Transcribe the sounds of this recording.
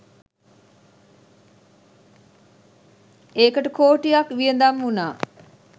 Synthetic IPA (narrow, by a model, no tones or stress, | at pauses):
eːkəʈəkoːʈijakʋijənd̪amɦunaː